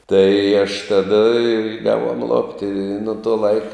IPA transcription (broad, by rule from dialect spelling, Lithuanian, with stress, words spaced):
tɐɪ ɐʃ ˈtɑːdɐ ɪ ˈɡɑːʋuɔm ˈlˠoːpʲtʲɪ ɪ nʊ ˈtoː ˈlˠɐɪk